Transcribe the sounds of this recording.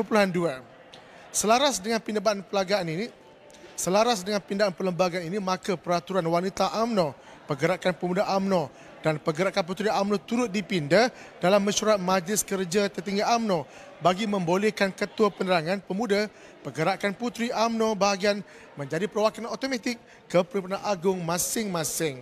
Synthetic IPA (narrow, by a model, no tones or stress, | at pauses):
pəpuluɦandua | səlaɾasdəŋãnpindəbanpəlaɡaːnini | səlaɾasdəŋãnpindaʔanpələmbaɡaninimãkapəɾat̪uɾanwanit̪aʔamnɔ̃ | pəɡəɾaʔkanpəmudaʔamnɔ̃ | danpəɡəɾaʔkanp̬ut̪ɾiamnɔ̃t̪uɾʊt̪̚dipindadalamːə̃ʃuɾat̪̚mãd͡ʒlɪskərd͡ʒat̪ərt̪iŋɡaamnɔ̃ | baɡimə̃mbolɛkankət̪uapənəɾaŋãnpəmũda | pəɡəɾaʔkanput̪ɾiʔamnɔ̃baɦaɡian | mə̃ɲd͡ʒadipəɾowakanot̪omet̪ɪk̚ː | əpəɾimpunaʔaɡʊŋmãsɪŋmãsɪŋ